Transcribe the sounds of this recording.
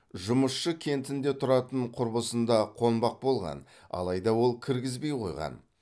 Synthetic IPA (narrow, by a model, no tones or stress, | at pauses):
ʒʊməsʃəkʲʰe̞nt̪ɪnd̪e̞t̪ʰʊɾɑt̪əɴqʰʊɾbəsənd̪ɑqʰo̞nbɑq̚bo̞lˠʁɑ̰n | ɑ̰lˠɑjd̪ɑwo̞lˠkʲʰɪɾɡʲɪzbe̞jqʰo̞̰jʁɑ̰n